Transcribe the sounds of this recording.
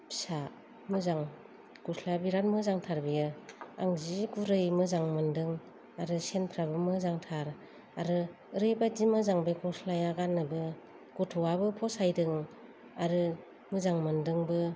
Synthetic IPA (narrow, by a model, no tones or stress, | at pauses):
sa | mɯzaŋ | kusʰlabiɾanmɯzaŋtʰaɾbijɯaŋziɡuɾɯjmɯzaŋmɯndɯŋ | aɾɯsenpʰɾabɯmɯzaŋtʰaɾ | aɾɯ | ɯɾɯjbadimɯzaŋbajkusʰlajaɡanːɯbɯ | ɡ̥utʰuabɯpʰɔsajdɯŋ | aɾɯ | mɯzaŋmɯndɯŋbɯ